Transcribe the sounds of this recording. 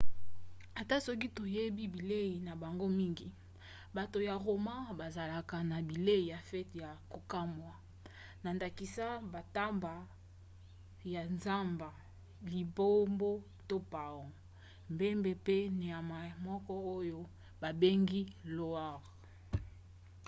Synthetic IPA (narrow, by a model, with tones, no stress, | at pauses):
a˨ta˦sɔ˦k̬i˦to˨je˦bi˦bi˨le˦i˨na˨ba˨ŋɡo˦mi˦ŋɡi˨ | ba˨to˨ja˨ʁo˨ma˦ba˨za˨la˨ka˨na˨bi˨le˦i˨ja˨fɛ˦tja˨ko˨ka˦mwa˨ | na˨nda˨ki˨sa˦ba˨ta˦mba˨ | ja˨nza˦mba˨ | li˨bo˦mbo˦ | to˦pa˨wo˨ | mbe˦mbe˨pe˦ne˨a˨ma˨mɔ˦kɔ˦o˦jo˦ | ba˨be˦ŋɡi˦lo˦a˦˨ʁ